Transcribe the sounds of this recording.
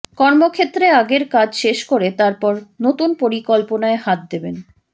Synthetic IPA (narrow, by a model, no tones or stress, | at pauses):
kɔɾmokʰet̪ːɾeaɡeɾkad͡ʑʃeʃkoɾet̪aɾpɔɾnot̪unpoɾikɔlponaehat̪̚d̪eben